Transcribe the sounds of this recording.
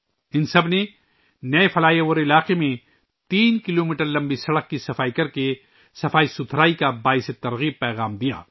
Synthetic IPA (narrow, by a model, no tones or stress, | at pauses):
ɪnsɐbne | nɐefɐlaːjeoːɾɪlaːqemẽ | t̪iːnkɪloːmiːʈəɾlɐ̃mbisɐɽəq̚kisɐfaːikɐɾke | sɐfaːisʊt̪ʰɾaːikabaːɪset̪ɐɾɣiːb̚pɛːɣaːmd̪ija̰ː